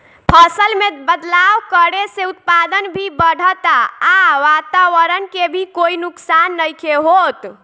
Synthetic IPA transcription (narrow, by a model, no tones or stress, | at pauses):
pʰəsəlmebəd̪lawkəɽeseut̪̚pad̪ənbʱibəɽ̤ʱət̪aaʋat̪aʋəɾənkebʱikoinuksanːəjkeɦot̪